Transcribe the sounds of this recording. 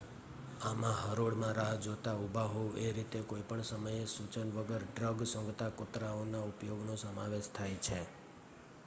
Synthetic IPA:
amãɦəɾoɽmãɾad͡ʒot̪aubʱaɦoueɾit̪ekoipəɳsəməjesut͡ʃənʋəɡəɾɖɾəɡsə̃ŋɡt̪akot̪ɾaonaupjoɡnosəmaʋeʃt̪ʰajt͡ʃʰe

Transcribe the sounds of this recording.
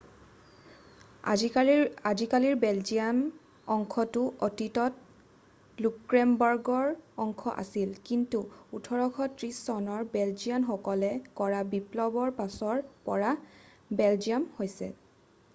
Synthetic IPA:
azikaliɹbɛld͡ʒian | ɔŋkʰɔtʊʔotitɔt | lukɹɛmbɔɹɡɔɹɔŋkʰɔ̰ʔa̰silkintuutʰɔɹɔkʰɔtɹisːɔnɔɹbɛld͡ʒijanxɔkɔlɛkɔɹabiplɔbɔɹpasɔɹpɔ̰ɹa | bɛld͡ʒiamhojsɛ̰

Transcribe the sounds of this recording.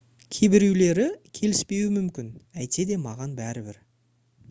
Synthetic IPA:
kʲʰebɪɾewle̞ɾɪkʲʰe̞lɪspe̞wɪmʏmkʲɪnæjt̪e̞d̪e̞mɑʁɑnbæɾɪbɪɾ

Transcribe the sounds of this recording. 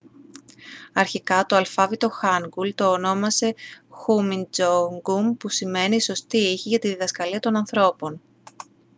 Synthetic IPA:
ɐɾçikɐt̪o̞ɐlfɐvit̪o̞xɐŋɡult̪o̞ːno̞mɐse̞xumind͡zoŋɡumpusime̞niːso̞st̪iiçiʝɐt̪iðiðɐskɐliɐt̪o̞nɐnθɾo̞po̞n

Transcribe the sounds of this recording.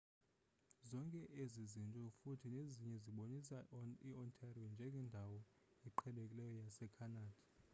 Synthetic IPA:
zɔŋkʼɛʔezizintʼɔfutʰineziɲɛziɓonisaiɔntʰariɔnd͡ʒʱɛŋɡʱɛndʱawɔ | iǃʰɛlekʼilɛjɔjasɛkʰanaːd̥ʱḁ

